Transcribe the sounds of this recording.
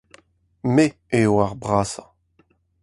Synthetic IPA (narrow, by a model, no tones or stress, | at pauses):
me | eoaʁbʁaːsa